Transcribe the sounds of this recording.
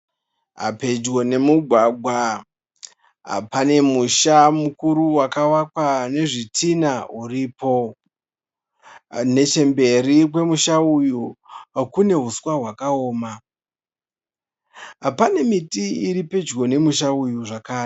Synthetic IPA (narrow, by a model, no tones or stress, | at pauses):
ɦa̰pe̞d͡ʒɡo̞ne̞muɡʱwaɡʱwa | ɦa̰pane̞muʃamukuɾuwakawakwane̞ʐitʰinauriːpo̞ | ne̞t͡ʃe̞mbe̞rik̬we̞muʃaujukune̞ɦuswaɦwakao̞ːma | ɦapane̞mitiiɾipe̞d͡ʒɡo̞ne̞muʃaujuʐakaːre